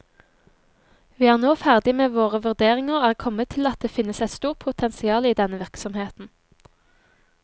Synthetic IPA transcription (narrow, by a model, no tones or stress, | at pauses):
ʋiːæːʁnoːfæʁd̪ɪmeːʋoːʁəʋʉʁd̪eːʁɪŋəʁæːkʰɔmːət̪ʰɪlɑt̪̚d̪eːfɪnːəsɛɪt̪st̪uːʁt̪̚pʰʊt̪ʰɛnsɪɑːliːd̪ɛnːəʋɪʁksɔmheːt̪n̩